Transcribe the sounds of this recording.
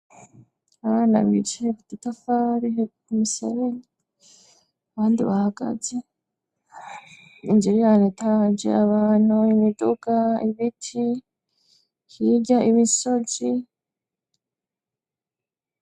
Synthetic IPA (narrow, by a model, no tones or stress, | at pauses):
aβaːna̰βḭt͡ʃeku̥titafaːɾi | umisḛɾeɲi | aβaːndiβahaɡa̰ze | ind͡ʒiɾijaːnetand͡ʒḛaβaːn̥huimidoɡaiβitʰi | hiɟaʔiβiso̞zi